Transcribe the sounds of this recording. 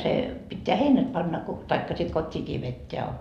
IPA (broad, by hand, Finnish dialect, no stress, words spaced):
se pitːeæ heinæt pɑnːɑ ko tɑikːɑ sit kotʲːiːkiː ʋetːeæ